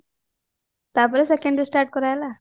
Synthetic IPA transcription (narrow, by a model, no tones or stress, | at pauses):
t̪apɔɾesekẽɳɖisʈaɾʈ̚kɔɾajla